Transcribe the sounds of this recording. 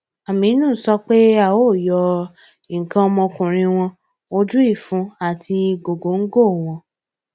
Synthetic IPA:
a˨mĩ˨˦nũː˦˨˦sɔ˧k͡pe˦a˦˨o˦˨jɔ˧ | i˨ŋ̩˨kã˧˦ɔ˧mɔ̃˧kũ˨ɾ̃ĩ˧w̃ɔ̃˧ | o˧d͡ʒu˦i˦˨fũ˧˦a˨tʰi˧ɡo˨ɡo˨˦ŋ̩˦ɡo˦˨w̃ɔ̃˧

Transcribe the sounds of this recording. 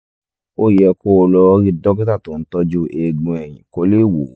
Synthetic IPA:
o˦˨jɛ˧ko˦˧lɔ˧˦ɾi˧dɔ˦ki˦ta˦˨to˨n̩˦tɔ˦d͡ʒu˦e˧ɡ͡bũ˧ɛ˨j̃ḭ̃˨ko˧˦le˦˨wo˨˦

